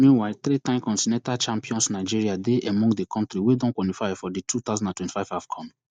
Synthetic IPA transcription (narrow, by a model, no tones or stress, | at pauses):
mĩnwaɪt̪ɾitãɪ̃mkɔ̃ntinɛ̃ntalt͡ʃãmpiɔ̃nsnaɪd͡ʒiɹiadeʔɛmɔ̃ŋɡdekʰɔ̃ntɾiwedɔ̃nkwalifaɪfɔdetʰut̪aʊzɔ̃ndãntwɛ̃nti̥faɪv̥av̥kʰɔ̃m